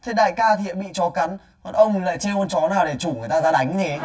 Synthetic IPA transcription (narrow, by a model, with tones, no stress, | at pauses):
t̪ʰe˨˦ɗa̰ː˧˨jkaː˧t̪ʰi˨ə˨ɓḭ˧˨t͡ɕɔ˨˦ka˨˦n˨ | ʔə˧wŋ͡mla̰ː˧˨jt͡ɕe˧ho˧nt͡ɕɔ˨˦naː˨˩wɗe˧˩t͡ɕu˧˩ŋ˨˩jt̪aː˧zaː˧ɗa˨˦jŋ̟ne˨˦